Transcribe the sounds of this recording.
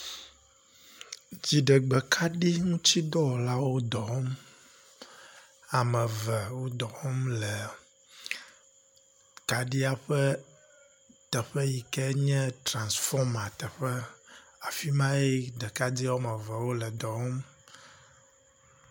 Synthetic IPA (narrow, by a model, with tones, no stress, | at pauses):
d͡ʑi˨ɖə˨ɡ͡bɛ˨kʰa˦ɖi˦ŋũ˦t͡ɕi˦d̪ɔ˦wɔ˨la˦wo˦d̪ɔ˨ɔ˦m | a˨mɛ̃˨və˨wo˦d̪ɔ˨wɔ˦mlɛ˨ | ka˨ɖi˦a˦ɸə˦ | t̪ɛ˨ɸə˦ji˨kɛ˦ɲɛ̃˦t̪ɾã˨nsfɔ˦ma˨t̪ɛ˨ɸɛ˦a˨fi˦mã˦e˦ɖə˨ka˦d̪i˦wo˦mə˨və˨wo˦lɛ˨d̪ɔ˨wɔ˦m